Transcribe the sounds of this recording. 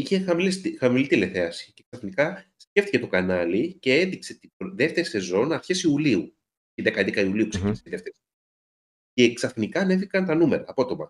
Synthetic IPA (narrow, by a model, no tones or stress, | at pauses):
içexɐmilsxɐmilit̪ile̞θe̞ɐsiceksɐfnikɐsce̞ft̪i̥ce̞t̪okɐnɐlice̞enðikse̞t̪ibðe̞ft̪e̞ɾise̞zo̞nɐɾçesiuliu | tiðekɐend̪ekɐiuliukseinisiðe̞ft̪eɾis | ce̞ːksɐfnikɐne̞vikɐnt̪ɐnume̞ɾɐːpo̞t̪o̞mɐ